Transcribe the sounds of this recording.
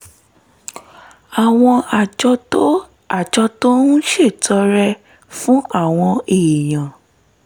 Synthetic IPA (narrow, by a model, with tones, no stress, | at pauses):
a˨w̃ɔ̃˧a˨d͡ʒɔ˧o˦ | a˦˨d͡ʒɔ˧to˦nũ˦ʃe˦˨tʰɔ˨˧˦ɾɛ˧ | fũ˦a˦˨w̃ɔ̃˧e˨j̃ã˨